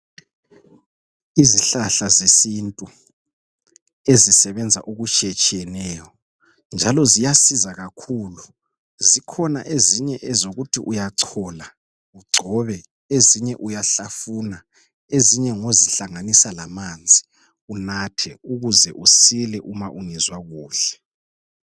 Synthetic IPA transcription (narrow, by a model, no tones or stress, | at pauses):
iziɬaɬazesintʼu | ezisɛβɛnd͡zʱa̰ʔuɣut͡ʃʼɛt͡ʃʼiɛnɛːjɔ | nd͡ʒʱalɔzijasizaɣakʰuːlu | zikʰɔna̰ʔeziɲɛʔɛzoɣutʰiʔujaǀʰɔːla | uɡ͡ǀʱɔβɛ | eziɲɛʔujaɬafuna | eziɲɛŋoziɬaŋanisalamand͡zʱi | unatʰɛuɣuzɛʔusilɛʔumaʔuŋizwaɣuːɬɛ̥